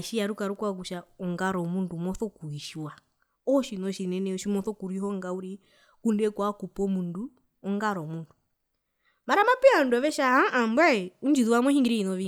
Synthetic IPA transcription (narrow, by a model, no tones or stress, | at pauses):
ʃiaɾukaɾukwaɡuʃaɔŋɡaɾɔmundumɔθɔkuiʃwa | ɔʃinɔʃinɛnɛɔʃimɔθɔkuɾiɦɔŋɡauɾi | kundɛkwakupɔmundu | ɔŋɡaɾɔmundu | maɾamapɛaɔnduaβɛʃahaʔambwaɛund͡ʒiðuwamɔʃiŋɡiɾiinɔʋi